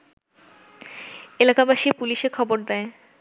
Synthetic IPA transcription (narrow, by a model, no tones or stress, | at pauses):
elakabaʃipuliʃekʰɔboɾd̪ɛe